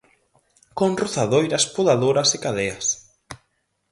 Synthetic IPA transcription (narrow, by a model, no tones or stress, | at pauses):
konroθaðojɾɐspoðaðoɾɐsekaðeɐs